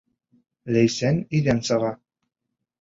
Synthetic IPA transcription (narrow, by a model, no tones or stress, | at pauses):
læjsænid̪ænsɑʁɑ